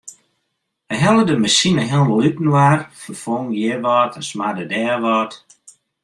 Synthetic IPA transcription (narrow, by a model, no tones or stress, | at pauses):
əɦɛlˠədəməsinəɦɛdəlypn̩warfərfoŋjɪʋɔːtʰəsmadədɛːʋɔːt